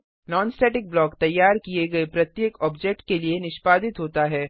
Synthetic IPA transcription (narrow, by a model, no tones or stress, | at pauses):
nɔːnsʈɛːʈɪk̚blɔːkt̪ɐjːaːɾkieɡɐepɾɐt̪jeːkɔːbd͡ʒɛk̚ʈkelienɪʃpaːd̪ɪt̪ɦoːt̪aɦɛː